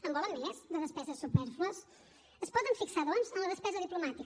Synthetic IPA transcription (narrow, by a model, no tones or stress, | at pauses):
əmbɔləmːɛzd̪əðəspɛzəsːupɛɾfluəs | əspɔðəɱfiksaðɔnzənləðəspɛzəðiplumat̪ik